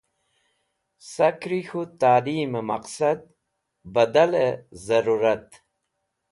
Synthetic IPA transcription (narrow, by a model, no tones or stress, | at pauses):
sakɾixut̪aːliːmemɐqsad̪̚ | bɐd̪alezɐɾuɾat̪